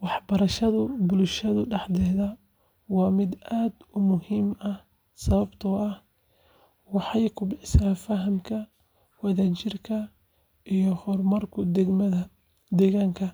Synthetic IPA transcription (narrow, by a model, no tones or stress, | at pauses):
wɑħbɐɾɐʃɐðʊbʊlʃɐðʊɖɑħd̪ɛːðɐ | wɑːmɪd̪aːd̪ʊmʊhiːmɐh | sɐβɐbt̪ʰɔɐh | wɑħɑjkʰʊbɪħsaːfɐɦɐmkʰɐ | wɐðaːt͡ʃɪrkʰɐ | ʔijɔhɔrmɐrkʰʊd̪ɛɡmɐðɐ | d̪ɛːɣaːŋkʰɐ